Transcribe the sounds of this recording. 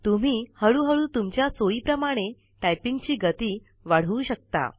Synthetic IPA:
t̪um̤iːhəɭuːɦəɭuːt̪umt͡ɕjat͡soiːpɾəmaɽ̃e | ʈajpiŋɡt͡ɕiːɡət̪iː | ʋaɽ̤uːɕək̚t̪a̰

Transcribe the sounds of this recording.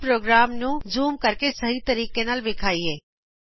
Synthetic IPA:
pɾoːɡɾaːmnũd͡ʒuːmkɐɾkesɐɦit̪ɐɾiːkenalʋɪkʰaːiɦeː

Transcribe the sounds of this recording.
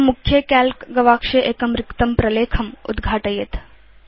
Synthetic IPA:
mukʰjekælkɡɐʋaːkʂeʔekɐmɾɪkt̪ɐmpɾɐleːkʰɐmṵd̪ɡʱaːʈəjet̪

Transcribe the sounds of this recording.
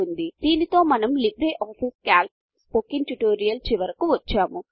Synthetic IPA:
und̪id̪̥iːnit̪o̞ːmɐnɐmlibɾeːʔaːpʰiːskaːlp̚ | spoːkiŋɡʈuʈoːɾijɐlt͡ʃiʋɐɾɐkuʋɐt͡ʃːaːmu

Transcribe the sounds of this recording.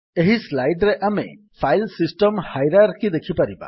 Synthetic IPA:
eɦislajɖɾeʔamḛ | pʰajlsisʈɔmhajɾaɾkid̪ekʰipaɾiba̰

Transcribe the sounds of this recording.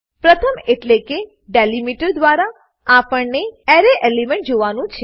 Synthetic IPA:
pɾət̪ʰəmeʈleke | ɖelimiʈəɾd̪ʋaɾa | apəɳneɛɾeʔelimẽɳʈ̚d͡ʒoʋanũt͡ʃʰe

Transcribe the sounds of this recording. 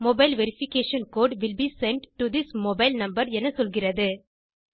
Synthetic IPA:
mɔbɐɪlʋɛɾɪfɪkeːʃɐnkoːɖʋɪlbisɛɳʈʈːud̪ɪsmobaɪlnɐ̃mbɐɾɛnɐsɔlɣɪrɐðɯ

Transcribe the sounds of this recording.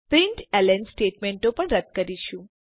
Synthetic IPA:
pɾɪɳʈɛlɛnsʈeʈmeɳʈopəɳɾəd̪̚kəɾiʃũ

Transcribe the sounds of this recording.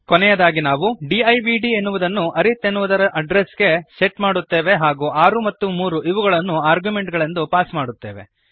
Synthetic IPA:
konɛjɐd̪aːɡinaːʋuɖiɐjbiɖienːuʋud̪ɐnːuʔɐɾit̪ːenːuʋud̪ɐɾɐʔɐɖɾesɡe̞seʈmaːɽut̪ːe̞ːʋe̞ɦaːɡuːʔaːɾumɐt̪ːumuːɾuʔiʋuɡɐɭɐnːuaːɾɡjume̞ɳʈɡɐɭe̞nd̪upaːsmaːɽut̪ːe̞ːʋe̞̰

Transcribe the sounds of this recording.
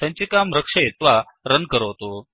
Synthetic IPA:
ãɲt͡ɕikamɾəkʂəjet̪ʋa | ɾənkəɾəʋt̪o

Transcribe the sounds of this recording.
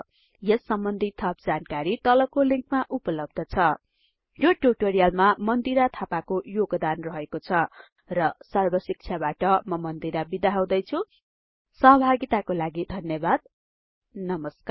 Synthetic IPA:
jʌsːʌmbʌnd̪ʱit̪ʰʌp̚d͡zankaɾit̪ʌlʌkoliŋkmaʔupʌlʌb̚d̪ʱʌt͡sʰʌ | joʈuʈoɾijalmamʌnd̪iɾat̪ʰapakojoɡd̪anrʌɦekot͡sʰʌ | rʌsarbʌsik̚t͡sʰjabaʈʌmʌmʌnd̪iɾabid̪aɦaw̃d̪ʌjt͡sʰu | sʌɦʌbʱaɡit̪akolaɡid̪ʱʌnjʌbad̪̚ | nʌmʌska

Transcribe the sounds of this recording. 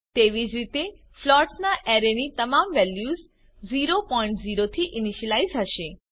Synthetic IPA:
t̪eʋid͡ʒɾit̪e | flɔɾʈsnaʔɛɾenit̪əmamʋɛljuz | ziɾopɔĩɳʈziɾot̪ʰiʔɪniʃəlaizɦəʃe

